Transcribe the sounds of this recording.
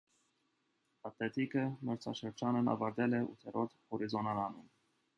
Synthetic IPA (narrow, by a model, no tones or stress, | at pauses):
ɑt̪lɛt̪ʰikəməɾt͡sʰɑ̰ʃəɾd͡ʒɑnənɑ̰vɑɾd̪ɛlɛʔṵt̪ʰɛɾɔt̪hɔɾizɔnɑɾɑnum